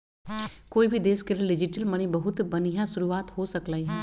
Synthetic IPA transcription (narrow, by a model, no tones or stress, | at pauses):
koːibʱid̪eːskelieɖɪd͡ʒɪʈəlmɐnibɐɦʊt̪bɐnijãsʊɾuaːt̪hosəklaːiɦɛː